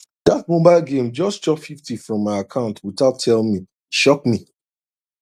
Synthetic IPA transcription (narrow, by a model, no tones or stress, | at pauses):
d̥at̚mõbaɪlˠɡẽmd͡ʒɔst͡ʃɔpfiftifɹɔ̃mːaɪakʰãʊ̃ntwitatʰɛlmi | ʃɔk̚mi